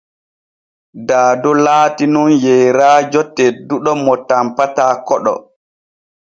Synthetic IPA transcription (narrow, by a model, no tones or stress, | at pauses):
daːdɔlaːtinunjɛjɾaːd͡ʒɔtːɛduɗɔmɔtampataːkɔɗɔ̰